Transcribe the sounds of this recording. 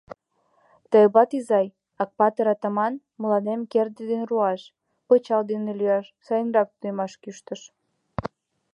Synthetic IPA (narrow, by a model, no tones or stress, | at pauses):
t̪əbɑt̪izɑj | ɑk̚pɑt̪əɾɑt̪ɑmɑn | məlɑnemkerd̪ed̪enruɑʃ | pət͡ɕɑld̪enelyɑʃsɑjənrɑk̚t̪ujmɑʃkyʃt̪əʃ